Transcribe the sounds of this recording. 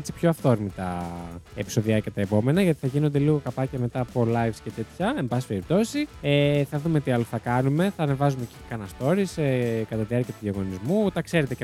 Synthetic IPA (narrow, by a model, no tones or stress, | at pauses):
et͡si̥pço̞ɐft̪oɾmit̪ɐepi̥so̞ðiɐcɐt̪ɐepo̞me̞nɐʝɐt̪i̥θɐʝino̞nd̪e̞liɣo̞kɐpɐcɐme̞t̪ɐːpolɐjvscet̪e̞t̪çɐe̞mbɐsi̥pe̞ɾip̚t̪o̞sieθɐðumet̪iɐloθɐkɐnume̞θɐːne̞vɐzumecikɐnɐst̪o̞ɾisekɐt̪ɐðiɐɾciɐt̪uʝɐɣo̞nizmut̪ɐkse̞ɾe̞t̪e